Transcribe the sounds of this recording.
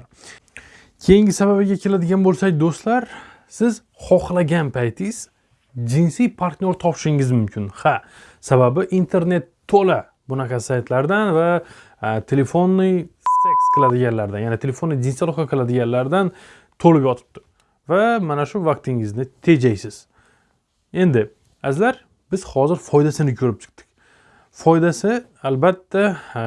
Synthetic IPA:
kʲʰe̞jɪŋɡɪsaβabɪɡʲakʲʰe̞lad̪ɪɡʲanbolˠsakʲd̪ost̪laɾ | sɪz | χɒqlˠaɡʲanpʰajt̪ʰɪz̥ | d͡ʒɪnsijpʰaɾt̪nʲo̞ɾt̪ʰɒpʰɪʃɪŋɪzmʊmkʲʰɪnha | sababɪʔint̪ʰe̞ɾne̞t̪ʰːola | bʊnaqʰɑsajt̪ʰlaɾd̪anva | t̪ʰe̞le̞fonːɪst̪eksqʰɨlˠad̪ɪɡʲanlaɾd̪anjanɪt̪ʰe̞le̞fo̞nːɪjd̪insalˠoχaqʰɨlˠad̪ɪɡʲanlaɾd̪an | t̪ʰolɪpjɒt̪ʰɪ̥p̚t̪ʰɪ̥ | vamanaʃʊvaqt̪ʰɪŋɪznɪt̪ʰe̞d͡ʒajsɪz̥ | e̞nd̪ɪ | azlaɾ | bɪz̥hɒzɪɾfɒjd̪asɪnɪkʰɵɾɪp̚t͡ʃʰɪ̥qt̪ʰɪ̥kʲ | fɒjd̪asɪ | albat̪ʰːa

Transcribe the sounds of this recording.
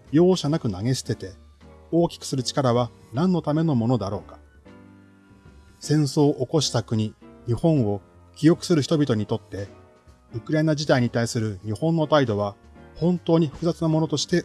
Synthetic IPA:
jo̞ːɕanakɯ̟naŋe̞ɕi̥t̪e̞t̪e̞ | o̞ːkʲi̥kɯ̟̥sɨɾɯ̟t͡ɕi̥kaɾaβa | nãnːo̞t̪ame̞no̞mo̞no̞d̪aɾo̞ːkḁ | sẽ̞ɰ̃so̞ːʔoko̞ɕi̥t̪akɯ̟ɲ̟iɲ̟ihõ̞ɰ̃o̞ | kʲijo̞kɯ̟̥sɨɾɯ̟çi̥t̪o̞bʲit̪o̞ɲ̟it̪o̞t̪ːe̞ | ɯ̟kɯ̟ɾaenad͡ʑid̪aiɲ̟it̪aisɨɾɯ̟ɲ̟ihõ̞nːo̞t̪aid̪o̞β̞a | hõ̞nt̪o̞ːɲ̟iɸɯ̥kɯ̟zat͡sɨnamo̞no̞t̪o̞ɕi̥t̪e̞

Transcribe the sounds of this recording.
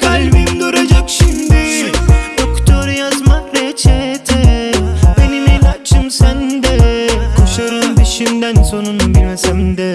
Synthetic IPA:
kʰalʲbimd̪oɾad͡ʒakʃimd̪iʃud̪okt̪ʰoɾjazmaɾɛt͡ʃʰɛt̪ʰɛ | beninelat͡ʃʰːɯmsænd̪ɛkʰoʃaɾɯmbiʃimd̪ænso̞nunbilʲmɛsɛmd̪ɛ

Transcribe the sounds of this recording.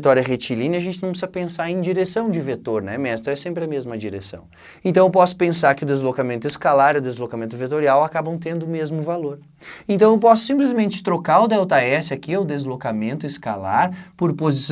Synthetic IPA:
t̪ɔɾiɐʁet͡ʃilĩnɐʒẽnt͡ʃɪnɐ̃w̃psizɐpẽsaɾẽd͡ʒiɾesɐ̃w̃d͡ʒɪvet̪oɾnɛ̰mɛst̪ɾɐɛsẽmpɾɪɐmezmɐd͡ʒiɾḛsɐ̰̃w̃ | ẽnt̪ɐ̃w̃ewp̬ɔsʊ̥pẽsaɾkɪʊd̪ezlokamẽnt̪ʊɪskalaɾiʊd̪ezlokamẽnt̪ʊvet̪oɾiawakabɐ̃w̃t̪ẽnd̪ʊmezmʊvaloɾ | ẽnt̪ɐ̃w̃ewpɔsʊ̥sĩplɪzmẽnt͡ʃɪ̥t̪ɾokaɾʊd̪ɛwt̪aɛsɪakiɛwd̪ezlokamẽnt̪ʊɪska̰la̰ɾpoɾpozis

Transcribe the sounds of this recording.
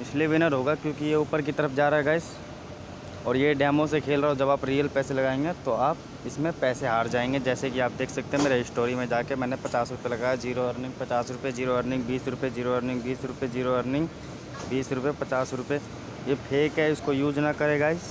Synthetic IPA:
ɪsliʋɪnəɾɦoːɡakjõːkijeuːpəɾk̬it̪ɐɾəfd͡ʒaːɾaɦɛɡaːɪs | ɔːɾjeɖɛːmõsekʰeːlɾaɦod͡ʒɐbaːpɾiːəlpɛːselɐɡaːẽŋɡet̪oaːp̚ | ɪsmẽpɛːseɦaːɾd͡ʒaːẽːŋɡed͡ʒɛːsekiaːp̚d̪eːkʰsɐk̚t̪ẽɦɛ̃meːɾeɪsʈoːɾimẽd͡ʒaːkemɛːnepɐt͡ʃaːsɾʊpelɐɡaːjad͡ʒiːɾoɐɾnɪ̃ŋɡ̚pɐt͡ʃaːsɾʊpjed͡ʒiːɾoɦəɾnɪ̃ŋɡbiːsɾʊpjed͡ʒiːɾoəɾnɪ̃ŋɡbiːsɾʊped͡ʒiːɾoɦəɾnɪ̃ŋɡ | biːsɾʊpepɐt͡ʃaːsɾʊpe | jepʰeːkɦɛʊskojuːd͡ʒnɐkɐɾeɡaːɪs

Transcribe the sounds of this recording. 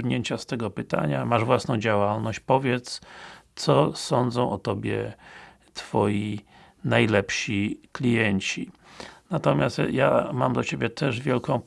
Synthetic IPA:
ɲeɲt͡ɕast̪ɛɡɔpɘt̪a̰ɲamaʐvwasnɔ̃w̃d͡ʑawalnɔɕt͡ɕpɔvʲjɛt̪st̪sɔsɔnd̪zɔ̃w̃ʔɔt̪ɔbʲjɛ̰ | t̪fɔji | najlɛpɕiklʲijɛɲt͡ɕi | nat̪ɔmʲjast̪jama̰md̪ɔt͡ɕebʲjɛt̪ʰɛʐvʲjɛlkɔ̃w̃p

